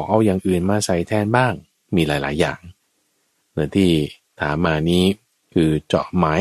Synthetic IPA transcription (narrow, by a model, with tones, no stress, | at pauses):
k̚ʔa˥˩wjaː˨˩ŋʔɯː˨˩nmaː˧˩sa˧jt̪ʰɛː˥˩nbaː˥˩ŋ | miː˧laː˨˩˦jlaː˨˩˦jːa̰ː˨˩ŋ | nɯ˧˥ənt̪ʰiː˥˩ | t̪ʰaː˩˦mːaː˧niː˦˥ | kʰɯː˧t͡ɕɔ̰˨˩maː˦˥